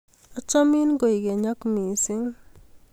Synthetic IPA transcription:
ɔ˦t͡ʃɔ˦mi˦nɡo˨i˨ɡe˨ɲɔ˦kmi˨sɪ˦ŋ

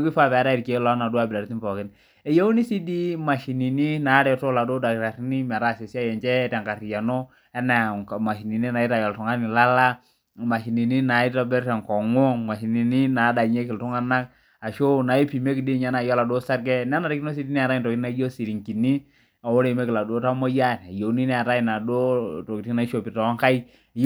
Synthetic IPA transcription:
o˦kɪ˦fa˦pɛ˨a˨˦ɾa˦ɪ˨ɾke˨˦lɔ˦na˨du˦a˦˨bɪ˨la˨ɾti˦mpɔ˨kɪ˦n | ɛ˨jo˦o˦ni˦si˦di˦ma˨ʃi˨ni˨ni˦na˨˦ɾɛ˨to˦la˨do˦da˨ɾa˨ɾi˦ni˦mɛ˨ɾa˦˨se˨si˦a˦˨jɛ˨nt͡ʃɛ˦tɛ˨ŋka˨ɾi˨a˨nɔ˦ | ɛ˦na˨ma˨ʃi˨ni˨ni˦na˨i˦ɾa˨jɔ˨ltʊ˨ŋa˦nɪ˨la˦la˦ | ma˨ʃi˨ni˨ni˦na˨˦i˦ta˦bɛ˦ɾtɛ˨ŋkɔ˨ŋɔ˦ŋma˨ʃi˨ni˨ni˦na˨˦da˨ɲe˦k̬ɪ˨ltʊ˦ŋa˦na˦k | a˨ʃo˦na˨i˦pi˨me˦kɪ˨di˦ɲa˦na˨jɔ˦la˨do˦sa˦ɾɡɛ˦na˦na˨ɾi˦ki˦no˦s̬i˦ti˦ni˦a˨ɾa˦i˨ntɔ˨kɪ˦na˦jo˦si˨ɾi˨ŋki˨ni˦ | a˨wo˦le˨me˦kɪ˨la˨do˦ta˦mo˦ja˦˨n˨a˨jo˨ni˦n˦a˨ɾa˦i˨na˨do˦to˨ki˨tna˦ʃo˨pi˨tɔ˨˦ŋka˦i˦˨

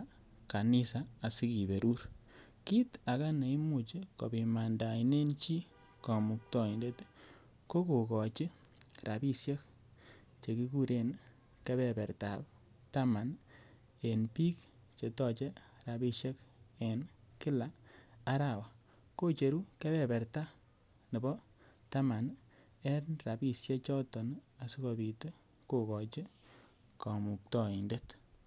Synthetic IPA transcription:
ka˨ni˦sa˨a˨si˦ki˨be˨ɾu˦ɾ | ki˦ta˨ka˦ne˨i˦mu˨t͡ʃi˦ko̰˨bi˨ma˨nda˨i˨ne˦nt͡ʃi˦ | kɔ˨mʊ˨k̚tɔ˨i˨nde˦t | ko˦ku˨kɔ˨t͡ʃɪ˦ | ra˨bi˦sje˦k̚ | t͡ʃe˨ki˦ku˦ɾe˨n | ke˦bɛ˨pɛ˨ɾta˨p̚ | ta˦ma˨n | e˨npi˦k | t͡ʃe˨tɔ˦t͡ʃe˦ɾa˨bi˧ʃje˦ke˨nkɪ˦la˨a˦ɾa˨wa˨ | ko˦t͡ʃe˨ɾu˦ke˦bɛ˨pɛ˨ɾta˦ | nɪ˨bɔ˦ | ta˦ma˨n | ɛ˦nra˨bi˨sje˦t͡ʃɔ˦tɔ˨na˨si˦kɔ˨bi˨te˦ | ko˦kɔ˨t͡ʃe˦ | ka˨mu˨k̚tɔ˨i˨nde˦t

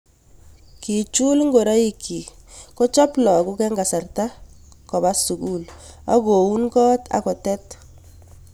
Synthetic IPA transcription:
ki˨t͡ʃu˦lŋɡo˨ɾa˦i˦kʰːi˨kɔ˦t͡ʃɔ˦plɔ˨ku˦kɛ˦ŋɡa˨sa˨rta˦ | kɔ˨ba˦su˨ɡu˦˨la˦ɡo˨wu˦nɡɔ˦tʰa̰˨kɔ˨tɛ˦t

